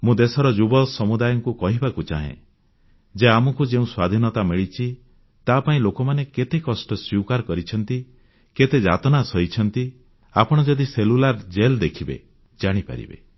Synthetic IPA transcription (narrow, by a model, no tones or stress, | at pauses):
mũd̪esɔɾɔd͡ʒubɔsɔmud̪ajɔŋkukɔɦibakut͡ʃaɦḛ̃ | d͡ʒeamɔkud͡ʒeũswad̪ʱinɔt̪amiɭit͡ʃʰi | t̪apaĩlokɔmaneket̪ekɔsʈɔswiwkaɾkɔɾit͡ʃʰɔnt̪i | ket̪ed͡ʒa̰t̪ɔnasɔit͡ʃʰɔnt̪i | apɔɽ̃ɔd͡ʒɔd̪iselulaɾd͡ʒeld̪ekʰibḛ | d͡ʒaɽ̃ipa̰ɾḭbḛ